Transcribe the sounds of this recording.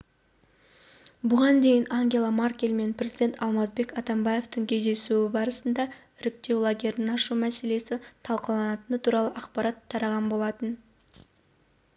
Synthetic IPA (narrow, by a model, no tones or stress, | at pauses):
bʊʁɑnd̪e̞jɪnaŋɡʲe̞lˠamarkʲelʲme̞npɾʲezid̪e̞nt̪ʰɑlˠmɑzbe̞kɑt̪ɑmbaje̞ft̪əŋkʲʰe̞jd̪e̞suɪbɑɾəsənd̪ɑ | ɪɾɪk̚t̪e̞wlˠaɡʲe̞ɾd̪ɪnɑʃumæse̞le̞sɪt̪ʰɑlˠqəlˠɑnɑt̪ənət̪ʰuɾɑlˠəʔɑqpɑɾɑt̪ʰːɑɾɑʁɑnbo̞lˠɑt̪ən